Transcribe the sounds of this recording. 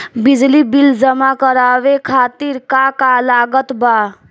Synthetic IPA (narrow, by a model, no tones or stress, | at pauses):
bid͡ʒlibild͡ʒəmakəɾaːʋekʰaːt̪iɾkakalaːɡət̪ba